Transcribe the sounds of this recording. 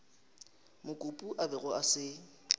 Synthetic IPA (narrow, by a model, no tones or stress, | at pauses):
mʊkʼʊpʼuʔabɪɣʊasɪ